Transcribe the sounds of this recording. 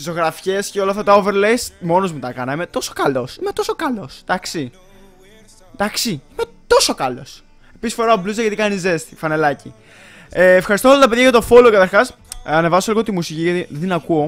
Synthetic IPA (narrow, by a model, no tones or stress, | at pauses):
iso̞ɣɾɐfçe̞sceo̞lɐft̪ɐt̪ɐove̞ɾlejsmo̞no̞zmut̪ɐkɐnɐme̞t̪o̞so̥kɐlo̞simet̪o̞so̞kɐlo̞sd̪ɐksi | nd̪ɐksiimet̪o̞so̞kɐlo̞s | e̞pisisfoɾɐbluzɐʝɐt̪ikɐnize̞st̪i̥fɐne̞lɐci | eːfxɐɾist̪oolɐt̪ɐpe̞ðʝɐʝɐt̪o̞fo̞lokɐt̪ɐɾxɐs | ɐne̞vɐsoliɣo̞t̪imusiciʝɐt̪iðinɐkuo̞